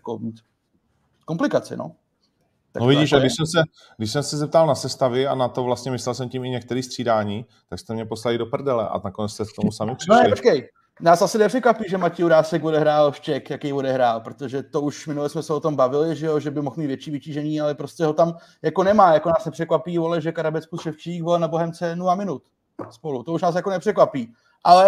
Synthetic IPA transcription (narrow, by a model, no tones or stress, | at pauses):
jakomiːt̪ | komplɪkat͡sɪ̰no̰ | t̪a̰knovɪɟiʃadɪʃsɛmsɛ | ɡdɪʃsɛmsɛzɛp̚t̪alnasɛst̪avɪa̰nat̪ovlast̪ɲɛmɪslɛls̬ɛmcɪmɪɲɛk̚t̪ɛɾiːst̪r̥iːdaːɲiː | t̪akst̪ɛmɲɛpo̞slalɪdopr̩dɛlɛʔa̰nakonɛt͡sst̪ɛkt̪omusamɪpr̥ɪnoplot͡ʃkɛj | naːsasɪnɛpr̥ɛkvapiːʒɛmaciːuɾaːsɛko̞dɛɦɾaːlʃt͡ʃɛkjakɛjvo̞dɛɦɾaːlpɾo̞t̪o̞ʒɛt̪o̞uʃmɪnulɛsmɛsɛo̞t̪o̞mbavɪlɪʒɛjoʒɛbɪmoxmit̪vjɛt͡ʃiːvɪciːʒɛɲiːalɛpɾoscɛɦo̞t̪am | jako̞nɛmaːjakonaːsnɛpr̥ɛkvapiːvo̞lɛʒɛkaɾabɛt͡skusʃɛft͡ʃikvolɛnaboɦɛmt͡sɛnulamɪnut̪ | spo̞lut̪o̞uʃnaːs̬jakonɛpr̥ɛkvapiː | ʔalɛ